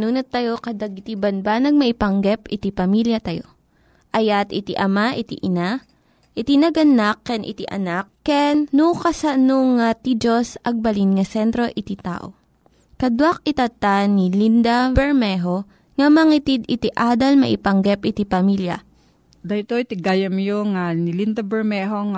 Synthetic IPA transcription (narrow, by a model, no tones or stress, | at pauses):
nuːnɐt̪ːɐjo̞kɐd̪ɐɡ̚ɪt̪ibɐnbanɐɡ̚mɐʔɪpɐŋɡɛpɪt̪ipɐmiljɐt̪ɐjo̰ | ʔɐjat̪ɪt̪ḭʔɐmaʔɪt̪ḭʔɪna | ʔɪt̪inɐɡɐnakːɛnʔɪ̰t̪iʔɐ̰nakːɛnːukɐsɐnoŋat̪id͡ʒosɐɡ̚bɐlinŋɐsɛnt̪ɾo̞ʔɪt̪it̪a̰ːʔo̰ | kɐd̪wak̚ɪt̪ɐt̪anilind̪abɛɹmɛɦo̞ | ŋɐmɐŋit̪id̪ɪt̪iʔaːd̪ɐlmɐ̰ʔɪpɐŋɡɛpʔɪt̪ipɐmiljɐ̰ | d̪ɐt̪oit̪ɪɡajɐmjoŋanilind̪ɐbɛɹmɛɦoŋ